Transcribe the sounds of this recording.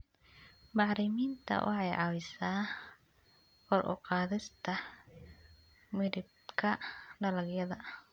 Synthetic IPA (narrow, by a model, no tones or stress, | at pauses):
bɑʕɾɪmiːnt̪ʰɐ̰wʔɑ̰ħɑjʕɑwɪsaː | wɔɾʔʊ̰qɑːðɪst̪ʰɐ | mɪɾɪb̚ | kʰɐɖɐlɐɡjɐðɐ